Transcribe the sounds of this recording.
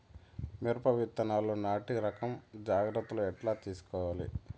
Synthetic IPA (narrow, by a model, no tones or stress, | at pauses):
miɾpɐʋit̪ːɐnaːloːnaːʈiɾɐkɐmd͡ʒaːɡɾɐt̪ːuluɛʈlaːt̪iːsu̥kɔːʋaːlḭ